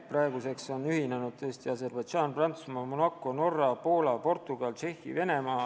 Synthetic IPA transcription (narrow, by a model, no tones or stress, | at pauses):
prɑe̞ɡuse̞kso̞nyhinenud̥̪̚t̪ɤ̞est̪iɑs̬e̞rb̥ɑjd̪̥ʒɑːnprɑnt̪su̥smɑmonɑkːˑo̞no̞rːɑpo̞ːlɑpo̞rt̪ˑuɡ̥ɑlt͡ʃe̞hḭve̞ne̞mɑː